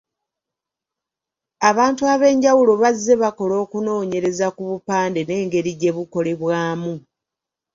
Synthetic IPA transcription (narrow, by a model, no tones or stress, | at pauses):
aβaːntuaβe̞ːɲɟawulo̞βazːe̞βako̞lo̞ːkuno̞ːɲe̞ɾe̞zakuβupaːnde̞ne̞ːŋɡe̞ɾiɟe̞βuko̞le̞βwaːmu